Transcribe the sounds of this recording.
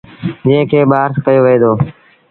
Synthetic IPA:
d͡ʒɪ̃ɦɪ̃kʰeːɓaːɾskəjoːʋɪeːd̪oː

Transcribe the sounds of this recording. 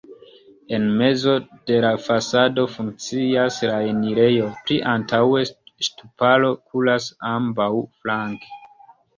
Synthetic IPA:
e̞nme̞zo̞d̥e̞lafasado̞fuŋk̚t͡siaslaeniɾe̞jo̞pliʔantawe̞ʃtupalo̞kʰulasambawflaŋke̥

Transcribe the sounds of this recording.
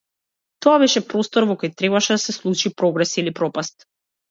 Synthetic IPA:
t̪oaβɛʃɛpɾɔst̪ɔɾvɔkojt̪ɾɛβaʃɛd̪asɛslˠut͡ʃipɾɔɡɾɛsilipɾɔpast̪

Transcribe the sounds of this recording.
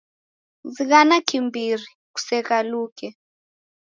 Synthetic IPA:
ziɣanakimbiɾi | ku̥sɛkalukɛ

